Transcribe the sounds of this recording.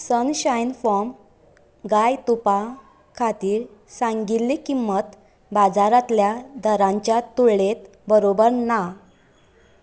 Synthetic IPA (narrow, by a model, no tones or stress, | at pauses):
sənɕajnfɔm | ɡajt̪upa | kʰat̪iːɾ | sãŋɡilːikimːət̪ | bad͡zaɾat̪ljad̪əɾãɲt͡ɕjat̪uɭlet̪ | bəɾobəɾna